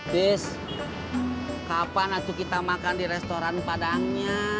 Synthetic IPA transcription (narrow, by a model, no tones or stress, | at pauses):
bɪs | kapanant̪ikit̪amakandiɾɛst̪oɾanpadaŋɲa